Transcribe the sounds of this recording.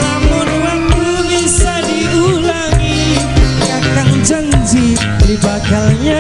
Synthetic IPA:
amʊnɾakunisadiulaŋi | kakaŋd͡ʒaŋd͡ʒi | libaɡalɲa

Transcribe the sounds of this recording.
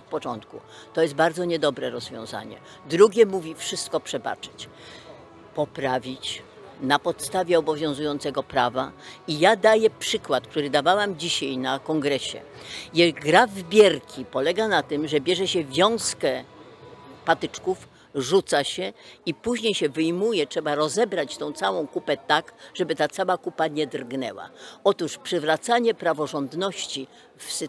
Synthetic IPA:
t̪̚pɔt͡ʂɔnt̪kṵt̪ɔjɛst̪̚baɾd̪zɔɲɛd̪ɔbɾɛɾɔzvʲjɔ̰̃w̃za̰ɲɛ̰ | d̪ɾuɡʲjɛmuvʲifʂɘst̪̚kɔpʂɛba̰t͡ʂɘ̥t͡ɕ | pɔpɾavʲit͡ɕ | napɔt̪st̪avʲɛɔbɔvʲjɔ̃w̃zujɔnt̪sɛɡɔpɾavaijad̪ajɛpʂɘkwat̪̚k̚t̪uɾɘd̪avawamd͡ʑiɕajnakɔŋɡɾɛɕɛ̰ | jɛɡɾavbʲjɛɾkʲipɔlɛɡanat̪ɘmʐɛbʲjɛʐɛɕɛvʲjɔ̃w̃skɛ | pat̪ɪt͡ʂkuf | ʐut̪saɕɛipuʑɲejɕɛvɘjmujɛtʂɛbaɾɔzɛbɾat͡ɕt̪ɔ̃w̃t̪sawɔ̃w̃kupɛt̪akʐ̥ɛbɘt̪at̪sawakupaɲɛd̪rɡnɛ̰wa̰ɔt̪uʂpʂɘvɾat̪saɲɛpɾavɔʐɔnd̪nɔɕt͡ɕi | fs

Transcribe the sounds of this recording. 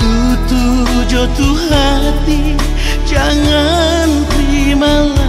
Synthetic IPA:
t̪u | t̪u | d͡ʒɔt̪uɦa | t̪i | d͡ʒaŋa | nt̪ɾi | mala

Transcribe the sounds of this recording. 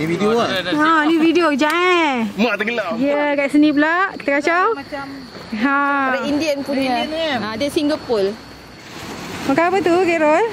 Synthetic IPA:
nividioaãnividiod͡ʒaɛmaʔt̪əɡəlaiəkasəniplaʔki̥t̪akat͡ʃaw | ɦãɾəindiənpuɲəãdesiŋɡəpol | makapət̪ukɛɾol

